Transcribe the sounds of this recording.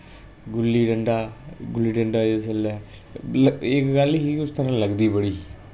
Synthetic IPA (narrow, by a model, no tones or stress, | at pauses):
ɡʊlːiːɖəɳɖaːɡʊlːiːɖəɳɖaːesəlɛː | əɪkɡəliiʊst̪ʰəɾãːləɡd̪iːbəɽiː